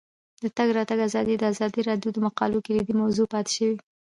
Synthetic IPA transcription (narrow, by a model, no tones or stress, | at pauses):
dd̪̥ət̪aɡɾɑt̪aɡazɑd̪id̪əazɑd̪iɾɑɖjod̪əmaqɑ̰lokiɾid̪imawzupɑt̪ɪ̥ʃəwi